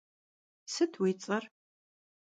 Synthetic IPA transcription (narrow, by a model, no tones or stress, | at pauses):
sɨtʰwiːt͡sʼɐr